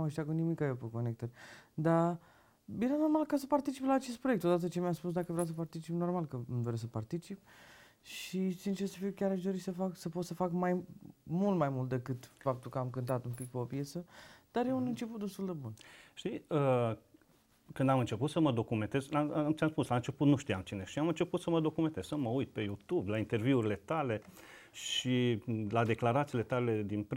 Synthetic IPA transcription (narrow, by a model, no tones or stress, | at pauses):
ameʃt̪ʲakunimikajepeko̞nek̚t̪ərʲd̪a | jeɾano̞rmalkasəpart̪it͡ʃiplaːt͡ʃe̞s̬t̪pɾoje̞kt̪o̞d̪at̪̬ət͡ʃe̞miaspusd̪akəvɾaws̬əpart̪it͡ʃipno̞rmalkəmd̪oɾes̬əpart̪it͡ʃip̚ | ʃisint͡ʃesəfiwkʲaɾaʃ̬d̪o̞ɾisəfaksəpo̞t̪səfakmajmult̪majmult̪d̪e̞kɨt̪fap̚t̪ulkəamkɨnt̪at̪umpik̚peo̞pje̞tsəd̪̥aɾje̞unɨnt͡ʃeput̪d̪e̞st̪uld̪e̞bunʃt̪iə | kɨnd̪amɨnt͡ʃe̞put̪səməd̪o̞kume̞nt̪ezat͡ʃamspuslaɨnt͡ʃe̞put̪nuʃt̪ijamt͡ʃine̞ʃiamɨnt͡ʃe̞put̪səməd̪o̞kume̞nt̪ez̥səməujt̪̚pe̞jut̪ublaint̪e̞rviuɾile̞t̪ale̞ | ʃilad̪e̞klaɾat̪sile̞t̪ale̞d̪inpɾ